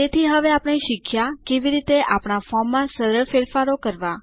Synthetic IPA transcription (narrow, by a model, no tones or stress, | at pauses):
et̪ʰiɦəʋeapɽ̃iʃɪkʰjakeʋiɾit̪eʔapɳ̃afɔmːãsəɾəɭfeɾfaɾokəɾʋa